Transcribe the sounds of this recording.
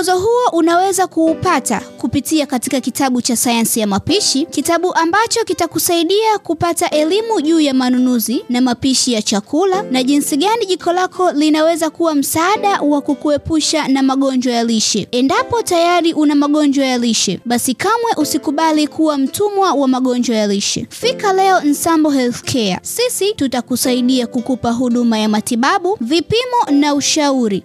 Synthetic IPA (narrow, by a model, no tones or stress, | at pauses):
zɔɦuɔʔunawɛzakuːpata̰kupitiakatikakitaɓut͡ʃasajansijamapiʃikitaɓuʔambat͡ʃɔkitakusaiɗiakupataʔɛlimuʄuːjamanunuzinamapiʃijat͡ʃakʰulanaʄinsiɠaniʄikʰɔlakʰɔlinawɛzakuwam̩saːɗawakukuɛpuʃanamaɠɔɲd͡ʒwajaliʃɛɛndapɔtajaɾiʔunamaɠɔnd͡ʒwajaliʃɛ̰ɓasikamwɛʔusikuɓalikʰuwam̩tʰumwawamaɠɔnd͡ʒwajaliʃɛ̰fikalɛɔn̩sambɔɦɛlθkʰɛa̰sisitutakusaiɗiakukupaɦuɗumajamatiɓaɓuvipimɔnauʃauɾi